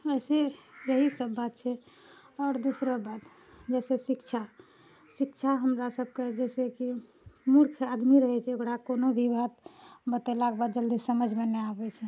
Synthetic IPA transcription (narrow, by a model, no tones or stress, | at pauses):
əɪsejəɦisəbːat̪̚t͡ʃʰɛ | ɔːɾd̪usɾəbat̪ | d͡ʒɛsesikt͡ʃʰa | sikt͡ʃʰaɦəmɾasəb̚ked͡ʒɛseki | muɾkʰad̪miɾəɦɛt͡ʃʰɛokɾakonobʱibʱad̪bət̪elakebad̪d͡ʒəld̪isəməd͡ʒʱmenɛabɛt͡ʃʰɛ